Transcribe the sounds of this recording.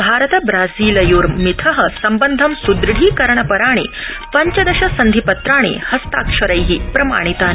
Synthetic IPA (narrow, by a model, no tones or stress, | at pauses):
bʱaːɾət̪ɐbɾaːziːlɐjuːɾmit̪ʰɐɦɐsɐmbənd̪ʱɐmsud̪ɾɽ̤iːkɐɾɳɐpɐɾaːɽ̃ḛː | pɐɲt͡ʃɐd̪ɐɕɐsɐnd̪ʱipɐt̪ɾaːɳ̃ḛhɐst̪aːkʂɐɾəjɦiːpɾɐma̰ːɽ̃it̪aːn